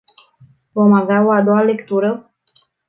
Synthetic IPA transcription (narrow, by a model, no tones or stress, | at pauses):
vo̞maveao̞ad̪o̞wale̞kt̪uɾə